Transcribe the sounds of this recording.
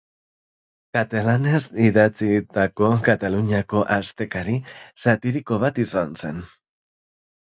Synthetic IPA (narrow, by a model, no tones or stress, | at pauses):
kat̪alane̞siðat͡sit̪ako̞kat̪aluɲiako̞ʔast̪e̞kaɾisat̪iɾiko̞β̞at̪isanse̞n